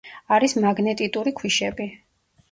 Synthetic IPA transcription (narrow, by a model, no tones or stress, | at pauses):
aɾismaɡnɛt̪ʼit̪ʼuɾikʰwiʃɛbi